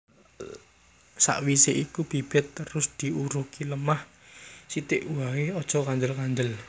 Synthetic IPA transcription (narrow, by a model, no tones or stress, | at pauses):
sa̰ʔwiseʔikub̥i̤b̥ɪ̤t̪ːəɾʊsd̪̥i̤uɾuhkiləmah | sit̪ɪʔuawiɔd̥ʒ̥ɔ̤kand̪əlkand̪əl